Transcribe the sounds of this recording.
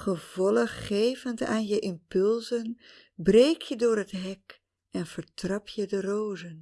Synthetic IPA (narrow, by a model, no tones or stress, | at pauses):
χəvɔləχːejvənta̰ːnjəʔɪmpʏlˠzən | brejkʰjədʊːɹətɦɛk | ɛnv̥əɹtrɑpʰjədərowzən